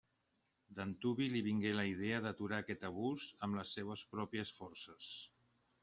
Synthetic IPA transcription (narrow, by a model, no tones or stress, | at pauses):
d̪ənt̪uβiliβiŋɡeləið̞eəðət̪uɾaːkɛt̪əβ̞uzəmləsːeβəspɾɔpiəsfɔɾsəs